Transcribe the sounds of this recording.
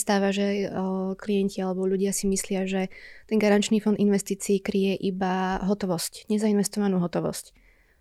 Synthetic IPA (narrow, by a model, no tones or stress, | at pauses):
st̪aːʋaʒɛklijɛɲcialɛbɔʎuɟɪasimislɪaʒɛt̪ɛŋɡaɾant͡ʃniːfɔnd̪inʋɛst̪iːt͡siːkɾijɛʔibaɦɔt̪ɔʋɔscɲɛzainʋɛst̪ɔʋanuːɦɔt̪ɔʋɔ̰sc